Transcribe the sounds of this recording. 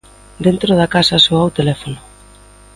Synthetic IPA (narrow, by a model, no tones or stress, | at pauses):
d̪ent̪ɾoð̞akasasoawt̪elɛfonʊ